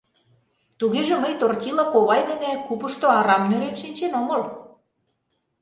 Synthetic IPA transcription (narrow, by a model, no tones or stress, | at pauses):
t̪uɣeʒĕməjt̪ort̪ʲilɑkoβɑjd̪ĕnĕkupəʃt̪oɑɾɑmnʲøɾenʃinʲt͡ɕenoməl